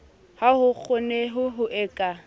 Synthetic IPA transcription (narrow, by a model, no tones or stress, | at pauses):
hahʊk͡xʰʊneɦʊɦʊʔɛːkʼa